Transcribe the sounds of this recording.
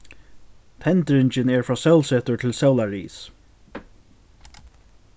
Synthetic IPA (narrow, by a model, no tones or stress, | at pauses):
t̪ʰɛnt̪ɹɪɲt͡ʃɪnɛɹfɹɑːsɛwlsɛːt̪ʊɹt̪ʰɪlsɛwlaɹḭːs